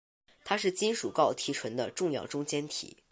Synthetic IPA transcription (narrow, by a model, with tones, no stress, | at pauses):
t̪ʰa˥ʂɻ̩˥˩t͡ɕi˥nʂu˨˩kɑ˥˩ʊt̪ʰi˧˥ʈ͡ʂʰwə˧˥nd̪ə˧ʈ͡ʂʊ˥˧ŋjɑ˥˩ʊʈ͡ʂʊ˥ŋt͡ɕjɛ˥nt̪ʰḭ˨˩˦